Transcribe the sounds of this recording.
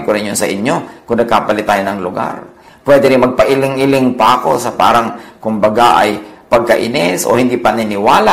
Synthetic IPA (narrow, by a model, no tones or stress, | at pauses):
koɾɪnjonsɐ̰ʔɪɲːo̞kʊŋnɐɡ̚kaːpɐlɪt̪aːjonɐŋlʊɡa̰ɾ | pwɛːd̪ɪɾɪnmɐɡ̚pɐʔɪlɪŋɪlɪŋpɐʔɐko̞sɐpa̰ːɾɐŋkʊmbɐɡaʔɐ̰jpɐɡ̚kɐʔɪ̰nɛsʔo̰hɪnd̪ipɐnɪnɪwaːla